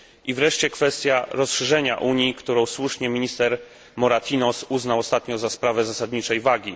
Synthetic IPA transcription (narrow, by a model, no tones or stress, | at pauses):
ʔivɾɛʂt͡ɕɛkfɛst̪ʲjaɾɔsʂɛʐɛɲa̰ʔuɲikt̪uɾɔ̃w̃swuʂɲɛmʲiɲist̪ɛɾ | mɔɾat̪ʰʲinɔsuznawɔst̪at̪ɲɔ̃zaspɾavɛzasad̪ɲit͡ʂɛjvaɡʲi